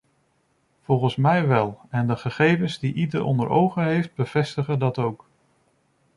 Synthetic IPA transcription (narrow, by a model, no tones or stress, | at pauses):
v̥ɔlˠχənsmɛjʋɛlˠɛndəχəχejvənzdiʔidəɾʔɔ̰ndəɾo̰wχəɦejfd̚bəv̥ɛstəχədɑtowk